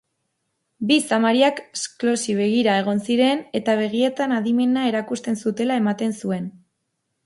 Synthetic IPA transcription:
bisamaɾiakesklo̞siβ̞e̞ɣ̞iɾae̞ɣ̞o̞nsiɾe̞ne̞t̪aβ̞e̞ɣ̞ie̞t̪anaðime̞nae̞ɾakust̪e̞nsut̪e̞lae̞mat̪e̞nsue̞n

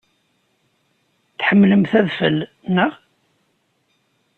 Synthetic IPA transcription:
θħəmːləmθæðfə̰l | nəʁ

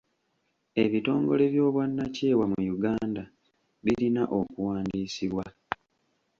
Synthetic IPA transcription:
e̞βito̞ːŋɡo̞̰le̞βjo̞ːβwanːaceːwamujuɡaːnda | βiɾinaʔo̞kuwaːndiːsiβwa

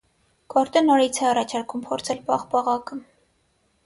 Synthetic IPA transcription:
kɔɾt̪ənɔɾit͡sʰɛɑrɑt͡ʃʰɑɾkʰumpʰɔɾt͡sʰɛlpɑχpɑʁɑkə

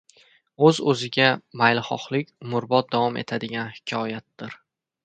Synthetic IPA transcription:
ɵzɵzɪɡʲamajlˠχɒ̰χlˠɪkʲmʊɾbɒt̪̚d̪avɒme̞̰t̪ʰad̪ɪɡʲanhɪ̥kʲʰɒjat̪̚d̪ɪɾ

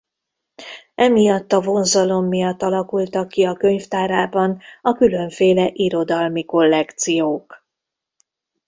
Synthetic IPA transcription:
ɛmijɒt̪ːɒvo̞nzɒlo̞mːijɒt̪ːɒlɒkult̪ɒkːiɒkø̞ɲft̪aːɾaːbɒnɒkylø̞ɱfeːlɛʔiɾo̞d̪ɒlmiko̞lːɛkt̪sijoːk

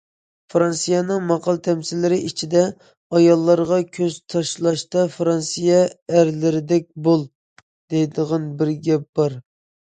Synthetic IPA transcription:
fɾɑnsijɑnɨŋmɑqɑlˠt̪ʰɛmsɪlːɪɾɪʔit͡ʃʰid̪ɛ | ɑjɑlˠːɑɾʁɑkʲʰøz̥t̪ʰɑʃlˠɑʃt̪ɑfɾɑnsijɛæɾlɪɾɪd̪ɛk̚ʲbolˠ | d̪̥ejd̪əʁɑnbɪɾɡʲɛp̚b̥ɑɾ

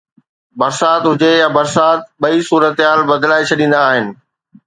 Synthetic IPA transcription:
bɐɾsaːt̪ɦʊd͡ʑejabɐɾsaːt̪̚ɓɐisuːɾət̪ɦaːlbɐd̪laːet͡ɕʰɐɗĩːn̆d̪aːɦɪnɪ̆

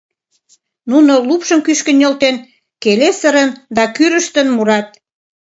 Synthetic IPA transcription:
nunolupʃəmkyʃkənʲolt̪en | kelesəɾənd̪ɑkyɾə̆ʃt̪ənmuɾɑt̪̚

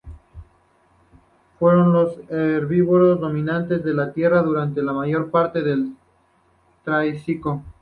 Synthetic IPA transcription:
fwe̞ɾo̞nlo̞seɾβiβoɾozðo̞mĩnant̪e̞zðe̞lat̪je̞raðuɾant̪e̞lamaʝo̞ɾpaɾt̪e̞ðel | t̪ɾajsiko

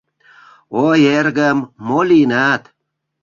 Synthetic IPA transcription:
ojerɡəmːolinat̪

